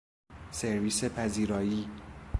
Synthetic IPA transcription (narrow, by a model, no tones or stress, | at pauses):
se̞ɾviːse̞pʰæziːɾɒːiː